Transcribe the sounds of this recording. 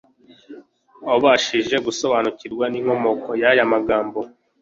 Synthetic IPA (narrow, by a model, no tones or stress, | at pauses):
oβaʃiʒe̞ɡuso̞βanuciɾɡwaniːŋho̞mo̞ko̞jajamaɡaːmbo